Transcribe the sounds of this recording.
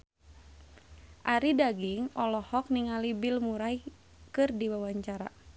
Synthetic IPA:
ʔaɾidaɡiŋɔlɔhɔk̚niŋalibilmuɾai | kɨrdiwawaɲt͡ʃaɾa̰

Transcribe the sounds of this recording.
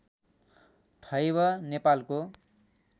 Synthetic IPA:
ʈʰʌjbʌnepalko

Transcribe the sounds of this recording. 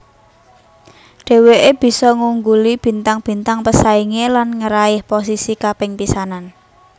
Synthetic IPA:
ɖ̥ɛ̤weʔeb̥i̤sɔŋuŋɡulib̥i̤nt̪aŋb̥i̤nt̪aŋpəsaiŋelanŋəɾaɪhpos̬isikapɪŋpisanan

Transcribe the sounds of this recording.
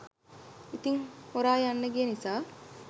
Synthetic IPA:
it̪iŋhoɾaːjanːəɡijenisaː

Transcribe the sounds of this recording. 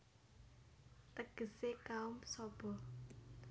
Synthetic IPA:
t̪əɡ̥ə̤sekaʊmsɔb̥ɔ̤

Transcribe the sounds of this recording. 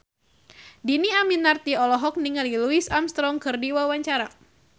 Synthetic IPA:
diniaminart̪iɔlɔɦɔk̚niŋaliluisamst̪ɾɔŋkɨrdiwawaɲt͡ʃaɾa

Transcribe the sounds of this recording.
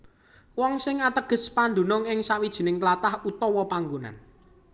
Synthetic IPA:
wɔŋsɪŋat̪əɡ̥ə̤spand̪o̤nʊŋɪŋsawid̥ʒ̥i̤nɪŋt̪lat̪ahut̪ɔwɔpaŋɡuna̰n

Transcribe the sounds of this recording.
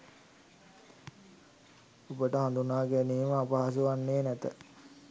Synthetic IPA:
ubəʈəɦand̪unaːɡæniːməːpaɦas̬uʋanːeːnɛt̪ə

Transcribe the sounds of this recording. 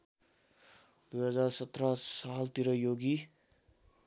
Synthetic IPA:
d̪ujɦʌd͡zarsʌt̪rʌsalt̪iɾʌjoɡi

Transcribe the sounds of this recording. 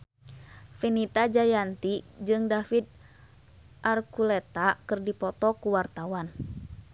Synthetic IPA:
finit̪ad͡ʒajant̪id͡ʒɨŋdafid̪̚ | ʔarkulɛt̪akɨrdipɔt̪ɔkuwart̪awan

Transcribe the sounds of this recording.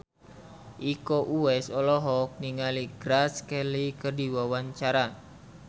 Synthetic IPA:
ʔikoʔuɛsɔlɔɦɔk̚niŋaliɡɾaskɛlikərdiwawaɲt͡ʃaɾa

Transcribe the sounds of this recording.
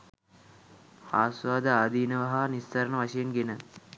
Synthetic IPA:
haːsʋaːd̪ɐaːd̪iːnɐʋɐɦɐnist̪ʰɐɾɐɳɐʋɐʂɐjɐnɡenə

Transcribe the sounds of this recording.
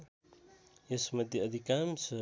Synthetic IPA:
jesmɐd̪ʱjeɐd̪ʱikams

